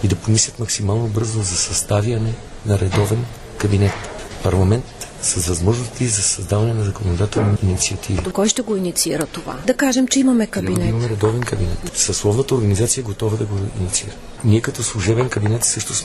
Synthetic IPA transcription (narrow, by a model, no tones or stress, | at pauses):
id̪ɐpomislʲɐt̪mɐksimalˠnobɤɾzozɐsɐst̪avjɐnɛ | nɐɾɛd̪ɔvɛn | kɐbinɛt̪pɐɾlˠɐmɛnt̪sɐzvɐzmɔʒnost̪izɐsɐzd̪avɐnɛnɐzɐkonod̪at̪ɛlˠniːnit̪siɐt̪ʰivikɔjʃt̪ɛɡoinit̪siiɾət̪ova̰d̪ɐkaʒɛmt͡ʃɛimɐmɛkɐbiinɛmɐmɛɾɛd̪ɔvɛnkɐbinɛt̪sɐslˠɔvnət̪əoɾɡɐnizat̪sijɐɡot̪ɔvəd̪ɐɡoḭnit̪siiɾə | niɛkɐt̪ɔslˠuʒɛbɛnkɐbinɛt̪sɤʃt̪ʊs